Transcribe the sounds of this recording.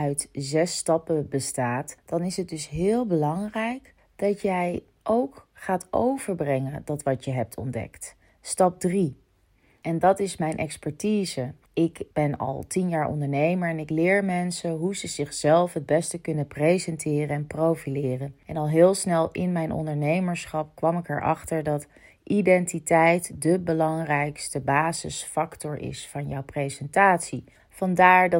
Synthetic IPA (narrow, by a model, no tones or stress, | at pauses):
œɥtzɛstɑpəbəstaːtd̥ɑnɪsɦət̚dɵsɦɪːlˠbəlɑŋrɛjk | d̥ɑtjɛj | ʔowkχaːto̰wv̥əɹbrɛŋəndɑtʋɑtjəɦɛp̚tʰɔ̰ndɛ̰kt | stɑp̚dri | ʔɛndɑtɪsmɛjnʔɛ̰kspɛɹtiːzə | ɪkb̥ɛnɑ̰lˠtinjaːɹɔ̰ndəɹnejməɹɛnɪklɪːɹmɛnsəɦuzəzɪχzɛlˠfɦəd̚bɛstəkɵnəprejzɛntɪːrəɛnprowfilɪːrənɛnɑlˠɦɪːlˠsnɛlˠɪnmɛjnʔɔ̰ndəɹnejməɹsχɑp̚kʋɑmɪkɛ̰ɹʔɑ̰χtəɹdɑt | ʔidɛntitɛjtdəbəlɑŋrɛjkstəbaːzə̰sfɑktɔɹɪ̰sfɑnjɔwprezɛntaːtsi | fɑndaːɹd